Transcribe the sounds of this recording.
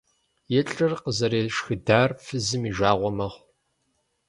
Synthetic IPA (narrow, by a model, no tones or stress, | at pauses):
jɛɬʼɨrqəzɐɾeːʃxɨdaːrfɨzɨmiːʒʷaːʁʷɔmɐʁʷ